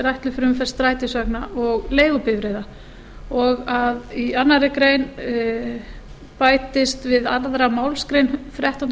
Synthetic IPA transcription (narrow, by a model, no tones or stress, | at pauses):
ɾajht̪lʏfɾʏmfɛ̥st̪ɾaːjt̪ɪsœknaɔɣleːjɣʏpɪvɾejða | ɔɣaðianːaɾɪkɾeːjn | paːjt̪ɪst̪vɪðaɾðɾamawlskɾejnfɾɛht̪ɔn